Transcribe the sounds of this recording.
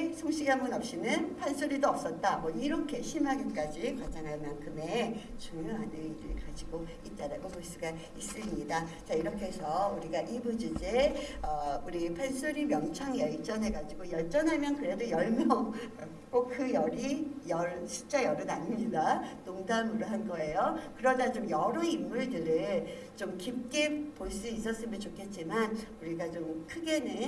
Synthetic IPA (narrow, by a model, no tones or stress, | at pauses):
sʰoŋɕʰiɡɦaŋbunʌp̚ɕ͈inɯnpʰansʰuɾidoʌp̚s͈ʌt̚t͈amwʌiɾʌkʰe̞ɕʰimɦaɡik͈ad͡ʑikwad͡ʑaŋɦaɭmankʰɯme̞t͡ɕuŋjoɦanɯiɾɯ̰ɭkad͡ʑiɡo | it̚t͈aɾaɡomoɭs͈uɡa | is͈ɯmɲidat͡ɕaiɾʌkʰe̞sʰʌuɾiɡaʔibud͡ʑud͡ʑeʌuɾipʰe̞nsʰuɾimjʌŋt͡ɕʰaŋjʌɭt͡ɕ͈ʌnɦe̞ɡad͡ʑiɡojʌɭt͡ɕ͈ʌnɦamjʌnkɯɾe̞dojʌɭmjʌŋ | k͈okɯjʌɾijʌɾɕʰi̥t͡ɕ͈ajʌɾɯnaɲimɲidanoŋdamɯɾoɦanɡʌe̞jokɯɾʌdat͡ɕomjʌɾueimːuɭdɯɾɯɭ | t͡ɕomkip̚k͈epoɭs͈uis͈ʌs͈ɯmɯnt͡ɕokʰe̞t̚t͡ɕ͈imanuɾiɡat͡ɕomkʰɯɡe̞nɯ